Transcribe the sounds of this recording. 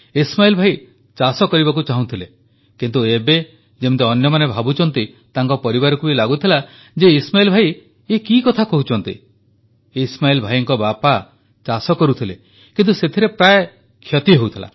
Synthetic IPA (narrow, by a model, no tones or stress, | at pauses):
ismailɔbʱai | t͡ʃasɔkɔɾibakut͡ʃaɦũt̪ʰile | kint̪uebe | d͡ʒemɔt̪eɔnjɔmanebʱabut͡ʃɔnt̪i | t̪aŋkɔpɔɾibaɾɔkubilaɡut̪ʰila | d͡ʒeismailɔbʱaj | ekikɔt̪ʰakɔɦut͡ʃʰɔnt̪ḭ | ismailɔbʱajɔŋkɔbapa | t͡ʃasɔkɔɾut̪ʰile | kint̪uset̪ʰiɾepɾaj | kʰjɔt̪iɦowt̪ʰila̰